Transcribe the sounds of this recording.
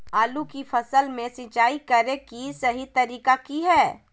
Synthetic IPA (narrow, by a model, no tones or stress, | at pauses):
aːlukifɐsəlmẽsɪt͡ʃaːikɐɾẽkisɐɦit̪ɐɾiːkakiɦɛː